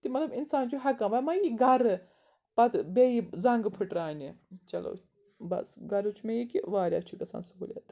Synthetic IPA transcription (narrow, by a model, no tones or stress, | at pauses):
t̪imɐt̪lɐbinsaːnt͡ʃʰuɦɐkɐ̃mʋɐmajiɡɐɾ | pɐt̪ʰbejizɐ̃ŋɡpʰɨʈɾaːnit͡ʃɐlo̰ | bɐ̰sɡɐɾut͡ʃʰumẽjikiʋaːɾʲja̰ːt͡ʃʰukɐsa̰ːnsɦoːlʲja̰t̪